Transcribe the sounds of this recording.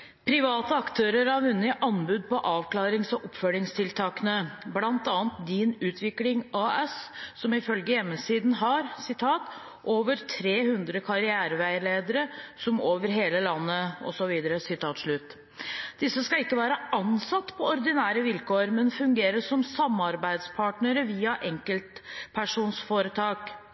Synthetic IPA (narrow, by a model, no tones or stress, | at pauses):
pʰɾɪʋɑːt̪əɑkt̪ʰøːɾəɾɑʋʉnːɪʔɑnbʉd̪̚pɔʔɑːʋkʰlɑːɾɪŋsɔʔɔpfœlɪŋst̪ʰɪlt̪ʰɑːkənəblɑnt̪ɑːənt̪d̪ɪnʉːt̪ʰʋɪklɪŋɑːʔɛssɔmɪfœlɡəjɛmːəsiːd̪n̩ɦɑɾsɪt̪ʰɑːt̪ | ʔoːʋəɾt̪ʰɾeːhʉnd̪ɾəkʰɑɾɪæːɾʋæɪɭeːd̪əɾəsɔmoːʋəɾɦeːləlɑnːəɔ̰sɔʋiːd̪əɾəsɪt̪ʰɑːt̪ʂɭʉːt̪ː | d̪̥ɪsːəskɑɪkːəʋæːɾəɑnsɑt̪ːpʰɔɔɾd̪ɪnæːɾəʋɪlkʰoːɾmɛnfʉŋɡeːɾəʂɔmsɑmːɑɾbæɪd̪spʰɑːʈɳəɾəʋiːɑʔɛŋkəlt̪pʰæʂuːnsfoːɾət̪ʰɑːk